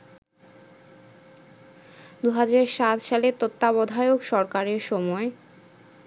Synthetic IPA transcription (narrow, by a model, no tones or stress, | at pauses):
d̪uɦad͡ʑaɾʃat̪ʃalet̪ot̪ːaβɔd̪ʱajokʃɔɾkaɾeɾʃɔmɔe